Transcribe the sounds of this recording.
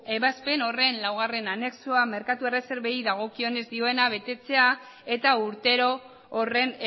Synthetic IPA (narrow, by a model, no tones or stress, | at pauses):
e̞βaspe̞no̞re̞nlawɣ̞are̞nane̞ksuame̞ɾkat̪ue̞re̞se̞ɾβe̞iðaɣ̞o̞kio̞ne̞zd̪io̞e̞naβe̞t̪e̞t͡se̞a | e̞t̪auɾt̪e̞ɾo̞ː | re̞n